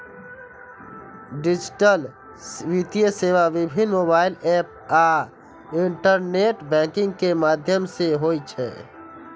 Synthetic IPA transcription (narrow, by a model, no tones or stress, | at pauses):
ɖɪd͡ʒɪʈəl | ʋit̪ijəseːʋaʋɪbʱɪnmoːbaːɪlɛːp̚ | aː | ɪɳʈəɾneːʈbɛ̃ːkɪ̃ŋɡ̚kemaːd̪ʱjəmseɦoːit͡ʃʰɛ̰ː